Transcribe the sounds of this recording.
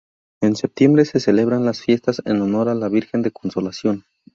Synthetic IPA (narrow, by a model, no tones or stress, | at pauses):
e̞nse̞p̚t̪je̞mbɾe̞se̞se̞le̞β̞ɾanlasfje̞st̪asḛno̞no̞ɾalaβiɾxe̞nd̪e̞ko̞nso̞lasjo̞n